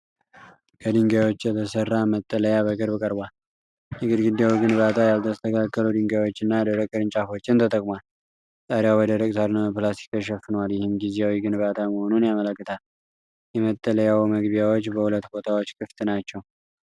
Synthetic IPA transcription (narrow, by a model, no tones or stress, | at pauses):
kʰəd̪ɨŋɡjawot͡ʃːjɛt̪ʰəsərːamət̪ʼːələjaβəɡəɾbɨkʼəɾbal | nɨɡɨd̪ɡɨd̪jawiɡɨnbat̪ʰajalt̪ʰəst̪ʰəkʰakːəlud̪ɨŋɡawo̞t͡ʃːɨnːad̪əɾəkʼəɾɨnt͡ʃʼafo̞t͡ʃːɪnt̪ʰət̪ʼəkʼmwal | t̪ʼəɾjawɔd̪əɾəkʼt̪ʰaɾnəməplast̪ʰi̥kəʃ̬ɛfːɨnəwaljɪhɨmɡizejawiɡɨnβat̪ʰaməho̞nunjamələkːɨt̪ʰal | jɛmət̪ʼːələjawməɡbjawo̞t͡ʃːbəhulət̪ːbo̞t̪ʰawo̞t͡ʃːkʰʼɨft̪ʼɨnat͡ʃːɛw